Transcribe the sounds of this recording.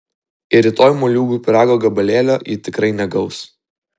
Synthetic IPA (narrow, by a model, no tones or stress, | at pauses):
ɪɾʲɪt̪oːjmoːlʲuːɡʊːpʲɪɾɑːɡoːɡɐbɐlʲeːlʲoːjiːt̪ʲɪkɾɐɪnʲɛɡɐʊs